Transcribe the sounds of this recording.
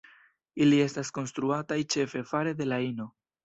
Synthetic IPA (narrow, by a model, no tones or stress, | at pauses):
ilie̞stasko̞nst̪ɾuatajt͡ʃe̞fe̞faɾe̞d̪e̞laino̞